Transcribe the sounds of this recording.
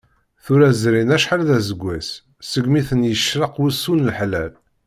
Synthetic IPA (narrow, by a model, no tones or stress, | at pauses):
θʊɾæzɾinæʃħaɾðæzəɡʷːæs | səɡmiθənjəʃɾəqwusːunəlħlæl